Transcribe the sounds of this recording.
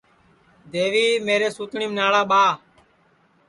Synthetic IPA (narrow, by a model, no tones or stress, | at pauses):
d̪eːʋiːmeːɾeːsuːt̪ɳiːmnaːɭaːɓaː